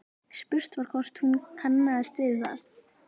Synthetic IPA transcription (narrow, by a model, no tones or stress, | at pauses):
spʏr̥t̪vaɾ̥kʰvɔr̥t̪hunkʰanːaaðst̪ɪðɪθa̰ð